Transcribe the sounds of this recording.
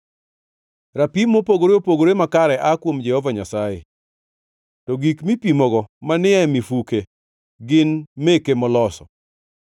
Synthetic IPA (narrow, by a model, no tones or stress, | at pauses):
ɾapimopoɡoɾeopoɡoɾemakaɾɛʔakwomd͡ʒɛhɔvaɲasajḛ | tɔɡikmipimɔɡɔmanɪɛmifuke | ɡɪnmekemɔlɔsɔ̰